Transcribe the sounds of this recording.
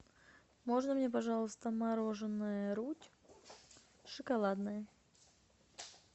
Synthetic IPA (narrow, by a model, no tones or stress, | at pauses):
mo̞ʐnəmnʲe̞p̬ɐʐɑlˠəst̪əmɐɾo̞ʐɨnːəjəɾutʲ | ʂɨkɐlˠad̪nəjə